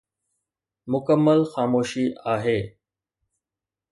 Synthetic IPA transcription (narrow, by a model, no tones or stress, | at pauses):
mʊkəmːəlxaːmoːʃiːaːɦeː